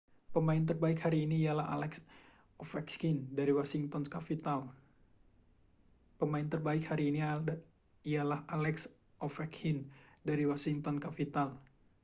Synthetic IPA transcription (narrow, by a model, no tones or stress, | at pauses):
pəmaɪnt̪̬ərbaɪkhaɾiːniːalaɦa̰lɛks | ɔfɛkskindaɾiwasiŋt̪ɔnkapit̪al | pəmaɪnt̪ərbaɪkhaɾiːni | ialahalɛks | ʔɔfɛkhindaɾiwasiŋt̪ɔnkapit̪al